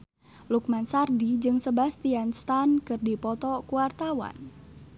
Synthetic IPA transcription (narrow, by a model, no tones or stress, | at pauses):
lukmansardid͡ʒɨŋsəbast̪ianst̪ankɨrdipɔt̪ɔkuwart̪awa̰n